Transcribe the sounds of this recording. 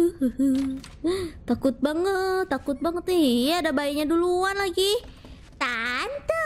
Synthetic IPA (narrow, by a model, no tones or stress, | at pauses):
t̪akʊt̪̚baŋət̪ːakʊt̪̚baŋət̪iijaadabajiɲaduluanlaɡi | t̪ant̪ə